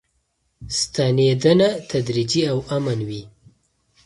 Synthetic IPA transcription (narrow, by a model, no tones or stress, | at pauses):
st̪aned̪anat̪ʰad̪ɾid͡ʒiawamanwi